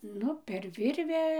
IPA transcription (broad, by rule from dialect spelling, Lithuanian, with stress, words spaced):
ˈnʊ pʲɛr ˈʋʲɪrʲʋʲæː